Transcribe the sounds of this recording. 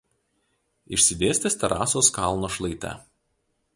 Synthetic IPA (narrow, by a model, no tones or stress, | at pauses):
ɪʃʲsʲɪd̪ʲeːsʲt̪ʲesʲt̪ʲɛɾʔɑ̰ːsoːskɑˑlˠnoːʃlˠɐɪt̪ʲɛ̰